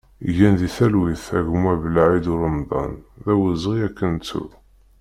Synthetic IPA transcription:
ʝænðiθælwiθæʝmuævəlʕid̪ʊɾəmd̪ˤɑ̰nðæwəzʁiækːənt̪ṵ

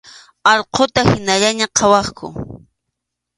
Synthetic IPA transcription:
ɑʎqʰot̪ahɪnaʎaɲaqʰɑwɑχkʰʊ̰

